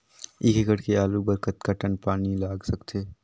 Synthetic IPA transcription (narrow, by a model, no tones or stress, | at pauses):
ɪkekəɽkeaːlubəɾkət̪kaʈənpaːnilaːɡsɐkt̪ʰeː